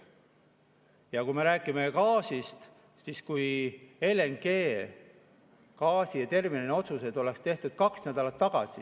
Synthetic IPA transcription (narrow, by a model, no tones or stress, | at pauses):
jɑkujme̞ɾæːkːˑimekɑːsist̪ | siskujeleŋɡe̞ː | kɑːsiɑt̪e̞rminineo̞t̪sused̪o̞le̞kst̪e̞ht̪ud̪̥kɑksnæd̪̥ɑlɑt̪ːɑɡ̥ɑ̰si